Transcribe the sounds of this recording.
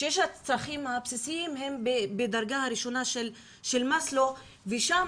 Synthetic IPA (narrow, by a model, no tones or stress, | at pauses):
ʃjeʃhat͡saχimhapsisiimɦe̞mbebed̪aɾɡahaɾiʃo̞naʃel | ʃe̞lmaslo | veʃam